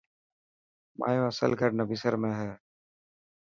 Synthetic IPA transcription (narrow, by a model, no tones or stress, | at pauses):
ma̰ːjõːəsəlkəɾnəbisəɾmẽːɦɛː